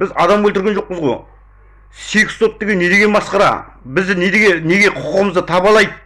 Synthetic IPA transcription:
b̥ɪzɑd̪ɑmwɵlt̪ɪɾɡʲenʒo̞q̚pəzʁoj | sekʲst̪o̞p̚t̪ːeɡʲene̞d̪e̞ɡʲe̞nbɑsqɑɾɑ̰bɪzd̪ɪned̪eɡʲene̞ɡʲe̞qʰʊ̥qʰəʁəməzd̪ət̪ʰɑbɑlˠɑjd̪

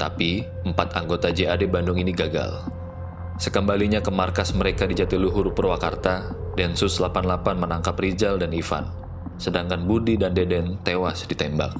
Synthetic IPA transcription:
t̪api | əmpat̪aŋɡot̪ad͡ʒeadebandʊŋiniɡaɡa̰l | səkəmbaliɲakəmarkasməɾekadid͡ʒat̪iluɦʊrpərwakart̪adɛnsʊslapanlapanmənaŋkap̚rid͡ʒaldanifa̰n | sədaŋkanbudidandedɛnt̪ewasdit̪ɛmba̰k̚

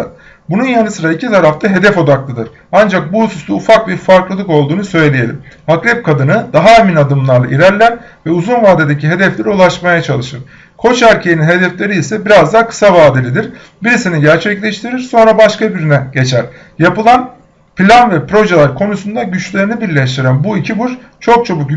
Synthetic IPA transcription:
bununjanɯsɯɾaicʰit̪ʰaɾaft̪ʰaɦe̞d̪ɛfo̞d̪aklˠɯd̪ɯɾ | and͡ʒak̚buhususuufak̚biɾfaɾklˠɯlˠɯko̞lˠd̪uːnusø̞jlʲeje̞lʲḭmhakɾɛp̚kʰad̪ɯnɯd̪aɦaeminad̪ɯmlˠaɾlˠa̰ʔiɾæɾlʲæɾ | vɛuzunvaːd̪ed̪eciɦe̞d̪ɛflʲeɾiulˠaʃmajat͡ʃʰalˠɯʃɯɾ̥ | kʰo̞t͡ʃæɾcʰejininɦe̞d̪ɛflʲe̞ɾiːsɛbiɾazd̪akʰɯ̥savaːd̪elʲid̪iɾ | biɾisiniɟæɾt͡ʃʰɛclʲɛʃt̪ʰiɾiɾso̞nɾabaʃkabiɾynɛɟ̥e̞t͡ʃʰæɾ̥ | japɯlˠan | pʰilʲanvɛpɾo̞ʒelʲæɾkʰo̞nusund̪aɟyt͡ʃlʲe̞ɾinibiɾlʲɛʃt̪ʰiɾænbuicʰibuɾ | t͡ʃʰo̞k̚t͡ʃʰo̞buk

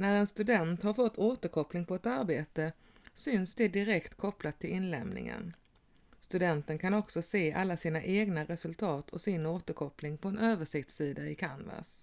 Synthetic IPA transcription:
næɾɛnst̪ɵd̪ɛnt̪haɾfɔt̪ʰːoːt̪əɾkʰɔplɪŋpʰɔɛt̪aɾbeːt̪ə | sʏnsd̪ɛd̪ɪɾɛkt̪kʰɔplat̪ʰːɪlɪnlɛ̰mnɪ̰ŋə̰n | st̪ɵd̪ɛnt̪ənkʰanɔksɔseːʔalːasiːnaʔeːɡnaɾɛsɵlt̪ʰɑːt̪ʰɔsɪnoːt̪əɾkʰɔplɪŋpʰɔɛnøːvəʂɪk̚t̪siːd̪aɪkʰanva̰s

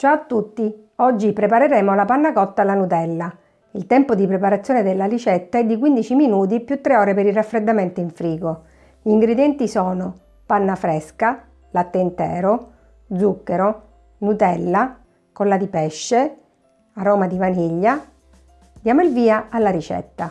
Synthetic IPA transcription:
t͡ʃaat̪ːut̪ːi | ɔd͡ʒːipɾepaɾeɾɛːmolapanːakɔt̪ːalːanut̪ɛlːa | ilt̪ɛmpod̪ipɾepaɾat̪sːjoːned̪elːalit͡ʃɛt̪ːaɛd̪ːikwind̪it͡ʃiminuːt̪̬ipjut̪ːɾeɔːɾepeɾirafːɾed̪ːament̪oiɱfɾiːɡo | ʎiːŋɡɾed̪jɛnt̪isɔːno | panːafɾɛska | lat̪ːent̪ɛ̰ːɾo | d̪zukːeɾo | nut̪ɛlːa | kolːad̪ipɛʃːe | aɾɔːmad̪ivaniʎːa | d̪jaːmoilviːaalːaɾit͡ʃɛ̰t̪ːa

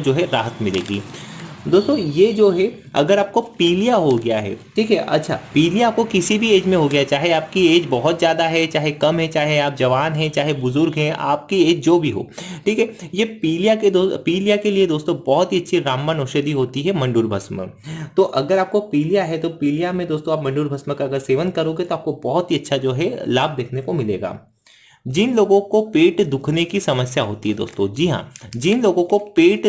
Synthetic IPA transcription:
d͡ʒoːɦɛɾaːɦət̪mɪlḛːɡḭːd̪oːst̪õjed͡ʒoːɦɛ | ɐ̰ɡəɾaːp̚kopiːlijaɦoɡɐjaɦɛ̰ʈʰiːkɦɛʔɐ̰tːʃʰa̰piːlijaaːp̚kokɪsibʱieːd͡ʒmẽɦoɡɐjat͡ʃaːɦeaːp̚kieːd͡ʒbɐɦʊt̪zjaːd̪aɦɛt͡ʃaːɦekɐmɦɛ̃t͡ʃaːɦeaːp̚d͡ʒɐʋaːnɦɛ̃t͡ʃaːɦebʊzʊɾɡɦɛ̃ʔa̰ːp̚kieːd͡ʒd͡ʒoːbʱiɦo̰ːʈʰiːkɦɛjepiːlijaked̪oːpiːlijakelied̪oːst̪õbɔɦʊt̪ɦiɐtːʃʰiɾaːmːanoːʃəd̪iɦoːt̪iɦɛmɐ̃ɳɖuːɾbʱɐsmə̰t̪oːʔɐɡəɾaːp̚kopiːlijaɦɛt̪opiːlijamẽd̪oːst̪õaːpmɐ̃ɳɖuːɾbʱɐsməkaɐɡəɾseːʋə̃nkɐɾoːɡet̪oaːp̚kobɔːɦɔt̪ɦiɐtːʃʰad͡ʒoːɦɛlaːb̚d̪eːkʰnekomɪlḛːɡa̰ː | d͡ʒɪnloːɡõkopeːʈd̪ʊkʰnekisɐməsjaɦoːt̪iɦɛd̪o̰ːst̪õd͡ʒiːɦã̰ːd͡ʒɪnloːɡõkopeːʈ

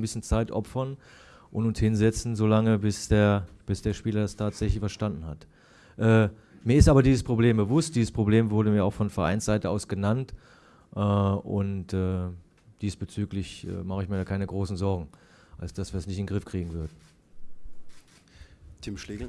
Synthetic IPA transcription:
nbɪsçənt͡saɪtʔɔ̰pfɐn | ʔʊntʊnshɪnzɛt͡sn̩zoːlaŋəbɪsd̥eːɐb̥ɪsd̥eːɐʃpiːlɐdastʰaːtz̥ɛçlɪçfɛɐʃtandn̩hat | ʔɛː | miːɐɪstaːbɐdiːzəspʁ̥obleːmbəvʊst̚d̥iːzəspʁ̥obleːmvʊɐɾəmiːɐaʊxfɔnfɛɐʔa̰ɪnsz̥aɪtəaʊsɡ̥ənant | ʔɛːʔʊ̰ntɛː | d̥iːsb̥ət͡syːklɪçʔɛ̰ːmaχəɪçmiːɐɾaːkaɪnəɡʁoːsn̩zɔɐɡŋ̩ | ʔalsd̥asv̥iːɐdasnɪçtɪnɡʁɪfkʁ̥iːɡŋ̩vʏɐdn̩ | tʰɪmʃleɡl̩

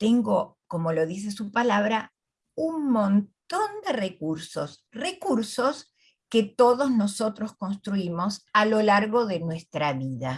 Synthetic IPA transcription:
t̪eŋɡo̞ko̞mo̞lo̞ðis̬esupalaβɾa | uŋmõnt̪o̞nd̪erekuɾso̰s | rekuɾso̞s | ket̪oðoznoso̞t̪ɾo̞sko̞nst̪ɾuimo̞salo̞laɾɣo̞ðe̞nwest̪ɾaβiða

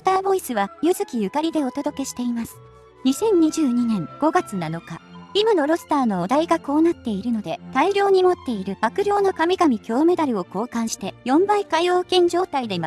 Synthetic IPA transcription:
ot̪aːbo̞isɨβajɯzɨkʲijɯ̟kaɾʲid̪e̞o̞t̪o̞d̪o̞ke̞ɕi̥t̪e̞imasɨ̥ | ɲ̟isẽ̞ɲ̟ɲːiʑɨːɲ̟inẽ̞ŋɡ̥o̞ɡat͡sɨnano̞kaimano̞ɾo̞sɨ̥t̪aːno̞ːd̪aiɡako̞ːnat̪ːe̞iɾɯ̟no̞d̪e̞t̪aiɾʲo̞ːɲ̟imo̞t̪ːe̞iɾɯ̟bakɯ̟ɾʲo̞ːnokamʲiɡamʲikʲo̞ːme̞d̪aɾɯ̟o̞ko̞ːkãɰ̃ɕi̥t̪e̞jõ̞mbaikajo̞ːkẽ̞ɲ̟d͡ʑo̞ːt̪aid̪e̞ma

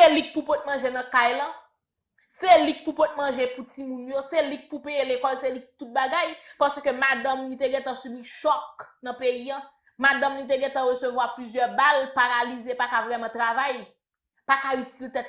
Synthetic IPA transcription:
selik̚pupot̪̚mɐ̃ʒenɐ̃kajlɐ̃ | selik̚pupot̪̚mɐ̃ʒeputimũnjoselik̚pupeelekɔlselik̚put̪ut̪̚baɡajpasøkømad̪ɐ̃mnit̪eɡɛ̃t̪ɐ̃sibiʃɔknɐ̃peiã | mad̪ãmnit̪̬eɡɛ̃t̪ãʁøsøvwaplyzjœʁbalpaʁalizepakavʁɛmɐ̃t̪ʁavaj | pakaytilt̪ɛt̪̚

